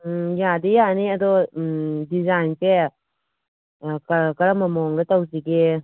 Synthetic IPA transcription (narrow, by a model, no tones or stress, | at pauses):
jadejaniɐdɔ | dizajnpe | kɐkɐɾamɐmɔŋdɐtawsiɡe